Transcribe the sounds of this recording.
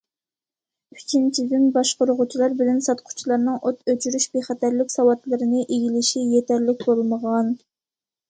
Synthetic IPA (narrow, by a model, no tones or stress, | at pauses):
ykʲʰint͡ʃʰizɪmbɑʃqʊɾʊʁʊt͡ʃʰilˠɑɾbɪlɛnsɑt̪qʰʊ̥t͡ʃʰilˠɑɾnɨŋʔot̪øt͡ʃʰyɾyʃbeχɛt̪æɾlɪkʲsɑwɑt̪lˠɨɾɪnɨʔeɡʲilɪʃijet̪æɾlɪk̚ʲbolˠməʁɑn